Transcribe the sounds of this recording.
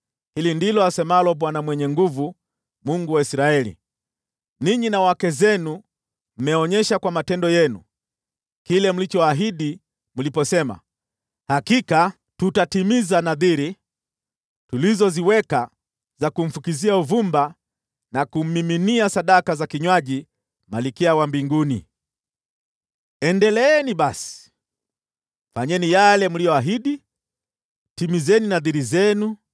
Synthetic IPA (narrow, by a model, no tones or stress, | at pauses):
hilindilɔasɛmalɔɓwanamwɛɲɛŋɡuvu | muŋɡuwaisɾaɛlḭ | niɲinawakɛzɛnu | m̩mɛɔɲɛʃakwamatɛndɔjɛnṵ | kilɛm̩lit͡ʃɔaɦiɗi | m̩lipɔsɛma̰ | hakika | tutatimizanaðiɾi | tulizɔziwɛka | zakum̩fukiziauvumba | nakum̩miminiasaɗakazakiɲwaʄi | malikiawambiŋɡunḭ | ɛndɛlɛɛniɓasi̥ | faɲɛnijalɛmulijɔaɦiɗi | timizɛninaðiɾizɛnu